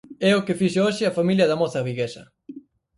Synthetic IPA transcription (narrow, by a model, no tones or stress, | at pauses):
ɛokɪfiʃɪoʃɪɐfamiljɐðɐmoθɐβiɣesɐ